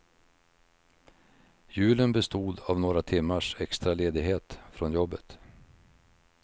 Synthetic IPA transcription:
jʉ̟ːlənbɛst̪uːd̪avnoːɾat̪ʰɪmːaʂɛkst̪ɾaleːd̪ɪɡɦeːt̪fɾɔnjɔbːət̪

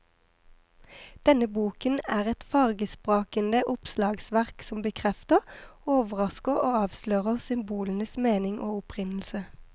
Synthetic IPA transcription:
d̪̥ɛnəbuːkənæːʁɛt̪fɑʁɡəspʁoːkənd̪əʔʊpslɑːɡsʋæʁksɔmbəkʰʁɛft̪əʁoːʋəʁɑskəʁoːɑːʋsløːʁəʁsʏmbuːlənəsmeːnɪŋʔo̰ːʊpʰʁɪnl̩sə

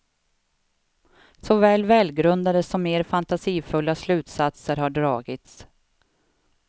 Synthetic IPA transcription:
sɔvɛːlvɛːlɡɾɵnd̪ad̪əsɔmeːɾfant̪asiːfɵlːaslʉ̟ːt̪sat̪səɾhaɖɾɑːɡɪt̪s

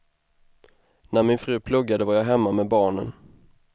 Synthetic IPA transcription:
næɾmɪnfɾʉ̟ːpʰlɵɡːad̪əvaɾjɑɦɛmːamɛbɑːɳən

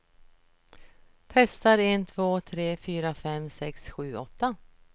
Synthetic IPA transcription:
t̪ʰɛst̪aɾent̪ʰvoːt̪ʰɾeːfyːɾafɛmsɛksɧʉ̟ːɔt̪ːa

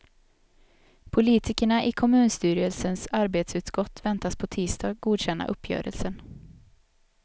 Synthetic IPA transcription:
pʰʊliːt̪ʰɪkəɳaʔɪkʰɔmʉ̟ːnst̪yːɾɪəlsənsaɾbeːt̪sʉ̟ːt̪skɔt̪ːvɛnt̪aspʰɔt̪ʰiːst̪ʰɑːɡɡuːd̪ɕɛnːa̰ʔɵpʰːjœ̰ːɾə̰lsən

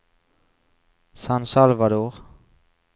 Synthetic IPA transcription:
sansalvad̪oːʁ

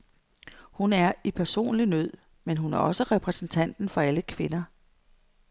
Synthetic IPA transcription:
hunæɐipʰæɐso̝̰ːnlinøð̰ˠ | menɦunæɐɒ̽səʁɛpʰʁɛsn̩t͡sʰæn̰d̥n̩fɒ̽æləkʰʋe̝nɐ

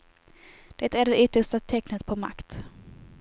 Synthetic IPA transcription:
d̪̥ɛt̪æɖɛʔʏt̪ːəʂʈat̪ʰɛknət̪pʰɔma̰kt̪

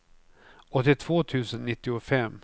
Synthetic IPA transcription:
ɔt̪ːɪt̪ʰv̥oːt̪ʰʉ̟ːsənːɪt̪ːɪʊfɛmː

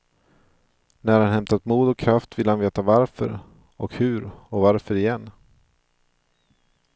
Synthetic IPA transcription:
næɾɾhanhɛmt̪at̪muːd̪ɔkʰːɾaft̪vɪlːəhanveːt̪avaɾfœ̰ɾ | ɔkhɵ̟ɾɔvaɾfœɾɪjɛnː

